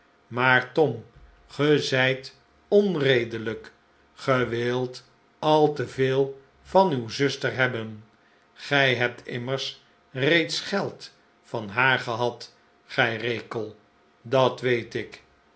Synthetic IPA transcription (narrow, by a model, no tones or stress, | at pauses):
maːɹtɔm | χəzɛjt | ɔnrejdələk | χəʋɪlˠt | ɑlˠtəvɪːlˠ | fɑnywzɵstəɹɦɛbən | χɛjɦɛp̚tʰɪ̰məɹs | rejtsχɛlˠt | fɑnɦaːɹχəɦɑt | χɛjrejkəlˠ | dɑtʋejtɪk